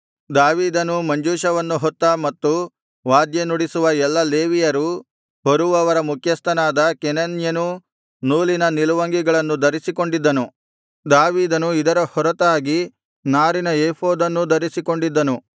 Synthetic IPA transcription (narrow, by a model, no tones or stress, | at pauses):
d̪aːʋiːd̪ɐnumɐɲd͡ʒuːʃɐʋɐnːuɦɔt̪ːɐmɐt̪ːu | ʋaːd̪jenuɽisuʋɐɛlːɐleːʋijɐɾu | ɦoɾuʋɐʋɐɾɐmukʰjɐst̪ʰɐnaːd̪ɐkenɐnjɐnu | nuːlinɐniluʋɐŋɡiɡɐɭɐnːud̪ɐɾisiko̞ɳɖid̪ːɐnu | d̪aːʋiːd̪ɐnuid̪ɐɾɐhɔɾɐt̪aːɡi | naːɾinɐeːpoːd̪ɐnːud̪ɐɾisiko̞ɳɖid̪ːɐnu